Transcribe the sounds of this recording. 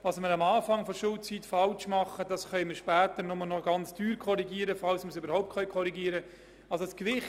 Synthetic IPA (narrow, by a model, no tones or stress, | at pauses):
ʋɑsməɾɑmɑːfɑŋfɔʃʊlt͡sitfɑlt͡ʃmɑχːədɑsχœʏməɾʃpæːtəɾnɔmlnɔɡɑnt͡sd̥yːɾkʰɔɾiɡiːəɾəfɑlsməsøbəɾhɔʊptkʰχœʏkʰɔɾiɡiːəɾə | ɑlsoskʋɪχ